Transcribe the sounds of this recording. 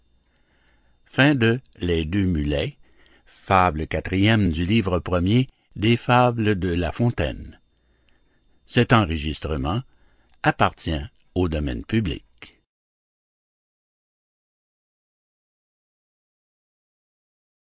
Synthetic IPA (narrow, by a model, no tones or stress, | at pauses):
fɛ̃d̪ə | lɛd̪ømylɛ | fabləkat̪ʁijɛmd̪ylivʁəpʁəmje | d̪efabləd̪əlafɔ̃t̪ɛ̰n | sɛt̪ɑ̃ʁəʒist̪ʁəmɑ̃ | apaʁt̪jɛ̃ | od̪ɔmɛ̰̃npyblḭk